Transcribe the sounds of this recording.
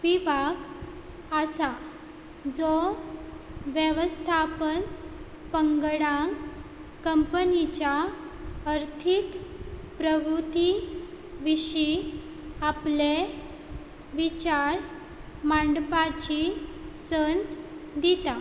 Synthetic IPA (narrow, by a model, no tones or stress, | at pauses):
ʋibaɡ | əsa | d͡zɔ | ʋjeʋəst̪ʰapən | pəŋɡɽãk | kəmpənit͡ɕja | əɾt̪ʰikpɾəʋɾut̪i | ʋiɕi | aple | ʋit͡ɕaɾ | mãɳɖpat͡ɕisənt̪d̪it̪a